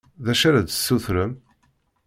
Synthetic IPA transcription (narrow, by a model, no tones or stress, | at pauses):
ðæʃaɾæd̪əsːuθɾəm